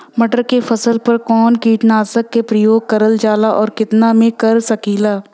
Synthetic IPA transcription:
mɐʈəɾkefʰɐsəlpɐɾkɔːnkiːʈnaːsəkːepɾɐjoːɡ̚kɐɾəld͡ʒaːlaʔɔːɾkɪt̪namẽkɐɾsɐkiːlaː

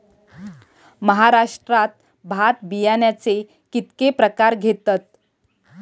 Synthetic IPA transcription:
məɦaɾaʂʈɾat̪̚ | bʱaʈ̪̚bijanjat͡se | kit̪kepɾəkaɾɡʱet̪at̪

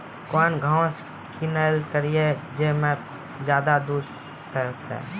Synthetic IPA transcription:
koːnɡʱãʊs | kʰinelkəɾijed͡ʒemẽ | d͡ʒjaːd̪ad̪uːɾ | sət̪ɛ̰̃ː

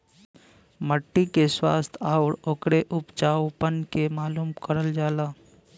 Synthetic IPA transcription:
məʈːikeswa̰ːst̪ʰaːʊɽoːkɽeʔʊpt͡ʃaːwpənkemaːluːmkəɾəld͡ʒaːlaː

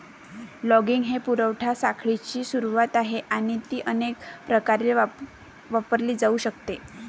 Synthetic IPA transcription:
lɔɡiŋɡɦepuɾəʋʈʰasakʰɭit͡ɕiːsuɾuʋat̪aɦeʔaɽ̃it̪iːʔənekpɾəkaɾel | ʋapəɾliːd͡zauːɕəkt̪e

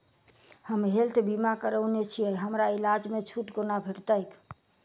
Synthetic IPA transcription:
həmɦelt̪əbimakəɾəwnet͡ʃʰiəjɦəmɾailad͡ʒmet͡ʃʰuʈkonabʱiɽt̪əjt̪

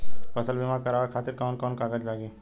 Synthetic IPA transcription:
pɐsəlbʱimakɐɾaːʋəɾkʰaːt̪ɪɾkaːnkɔːnkaːɡəd͡ʒlaːɡeː

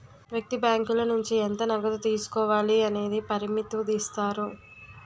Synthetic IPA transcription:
ʋjɐk̚t̪ibjaːŋkulɐnuɲt͡ʃient̪ɐnɐɡɐd̪ut̪iːsu̥kɔːʋaːliɐne̞ːd̪ipɐɾimit̪ud̪iːst̪aːɾu

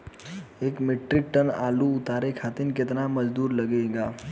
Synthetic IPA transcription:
ekmeʈɾik̚ʈəna̰luut̪aɾekʰat̪iːnket̪naməd͡zd̪uːɾləɡeɡa

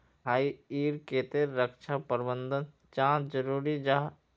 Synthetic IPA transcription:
ɦaːiiːɾkeːt̪eɾːəkʃapəɾbənd̪ən | t͡ʃãːt͡ʃd͡ʒəɾuːɾid͡ʒaɦ

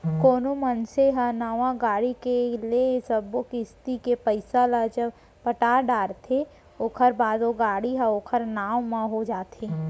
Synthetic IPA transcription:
koːnomənseɦanɐʋãɡaːɽikeliesəbokist̪ikepəɪsalad͡ʒəb | pəʈaːɖaːɾt̪ʰe | okʰəɾbaːd̪oɡaːɽiɦɛ̃oːkʰəɾnaːwmãɦod͡ʒaːt̪ẽ

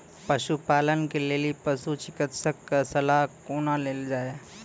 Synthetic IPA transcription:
pəʃupaːlənkeleːlipəsut͡ʃɪkət̪səkːasɐlaɦkoːnaleːld͡ʒaːe

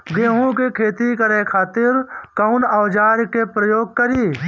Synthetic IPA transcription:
ɡeːɦũkekʰeːt̪ikəɾekʰaːt̪ɪɾkaʊnaːd͡ʒaːɾkepɾəjoːɡ̚kəɾiː

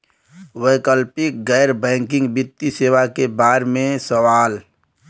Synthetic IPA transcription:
wəkəlpɪk̚ɡɛːɾbɛ̃ːŋkɪ̃ŋɡbɪt̪ːiseːʋakebaːɾmẽsəʋaːl

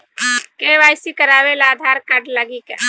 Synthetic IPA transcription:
keʋaːjsikəɾaːʋelːd̪ʱaːɾkəɖləɡikḛ

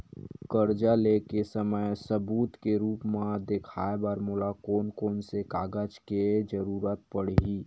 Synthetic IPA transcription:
kəɾd͡ʒalekesəməjsəbuːt̪keɾuːpmãd̪ekʰaːebəɾmoːlakoːnkɔːnsekaːɡəd͡ʒked͡ʒəɾuːɾət̪̚pəɽ̤ɦi

